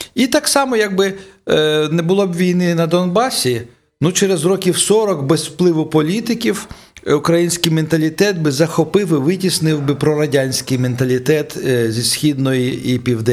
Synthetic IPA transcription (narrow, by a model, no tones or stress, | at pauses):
it̪ɑksɑmɔjɐɡ̚bɪ | nɛbʊlˠɔbʋʲijnɪnɐd̪ɔnbɑsʲi | nut͡ʃɛɾezrɔkʲiwsɔɾɔkbɛzfplˠɪʋʊpɔlʲit̪ɪkʲiw | ʊkɾɐjinʲsʲkɪjment̪ɐlʲit̪ɛt̪̚bɪzɐxɔpɪwɪʋɪtʲisnɪwbɪpɾɔɾɐdʲanʲsʲkɪjment̪ɐlʲit̪ɛt̪zʲisʲxʲid̪nɔjiipʲiwd̪ɛ